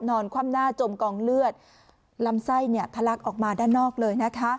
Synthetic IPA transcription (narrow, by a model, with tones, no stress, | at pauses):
nɔː˧nkʰwaː˧˥˩mnaː˥˩t͡ɕo˧mkɔː˨˩ŋlɯ˥˩ət̪̚ | la˦˥msa˥˩jni˥˩əp̪ʰa˧la˦˥k̚ʔɔː˨˩k̚maː˧daː˥˩nːɔː˥˩k̚lɤː˧jna˦˥kʰa˦˥ʔ